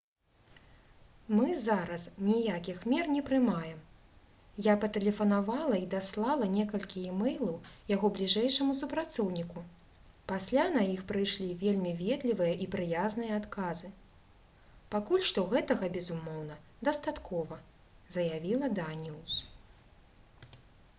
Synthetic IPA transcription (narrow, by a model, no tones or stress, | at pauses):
mɨzaɾɐsnʲijakʲixmʲɛrnʲɛpɾɨmajɛm | japɐt̪ɛlʲɛfɐnavalˠɐid̪aslˠalˠɐnʲɛkɐlʲkʲiɛmɛjlˠɐwjaɣɔblʲiʐɛjʂɐmusupɾat̪sɔwnʲiku | pasʲlʲanajixpɾɨjʂlʲivʲelʲmʲivʲɛd̪lʲivɨjɐʔipɾɨjaznɨjɐat̪kazɨ | pakulʲʂt̪ɔɣɛt̪ɐɣɐbʲɛzumɔwnɐ | d̪ɐst̪at̪kʰɔvɐ | zɐjavʲilˠɐd̪anʲuws